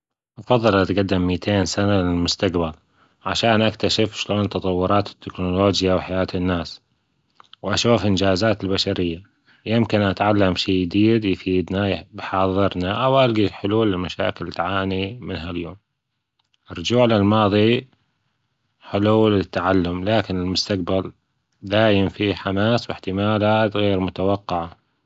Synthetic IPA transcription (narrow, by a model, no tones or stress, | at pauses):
ʔɑfɑðˤːɨlʔat̪ɡad̪ːɪmːiːt̪ʰeːnsanalɪlmʊst̪aqbal | ʕaʃaːnʔak̚t̪aʃɪfʃloːnt̪ɑt̪ˤɑwːʊɾˤɑːt̪ɪ̥t̪ːɪknʊloːd͡ʒjawħajaːt̪ɪnːaːs | wʔaʃuːfʔɪnd͡ʒaːzaːt̪ɪlbaʃaɾɪjːa | jɪmkɪnʔat̪ʕalːamʃiːd̪iːd̪jfiːd̪nabɪjħɑːðˤɨɾnaʔawʔalɡiħʊluːlɪlmaʃa̰ːkɪlt̪ʕaːnimɪnɦaljoːm | ʔɪrˤːʊd͡ʒuːʕlɪlmɑːðˤi | ħɪluːlɪt̪ːaʕalːʊmlaːkɪnɪlmʊst̪aqbal | d̪aːjɪmfiħamaːswɪħt̪ɪmaːlaːt̪ɣeːɾmʊt̪awɑqːɪʕa